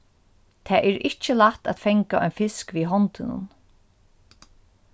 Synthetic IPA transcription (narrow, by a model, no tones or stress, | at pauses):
t̪ʰaːʔɛɹɪt͡ʃəlaht̪a̰t̪fɛŋkaʔɔ̰jnfɪskʋiːɦɔnt̪ɪnʊ̰n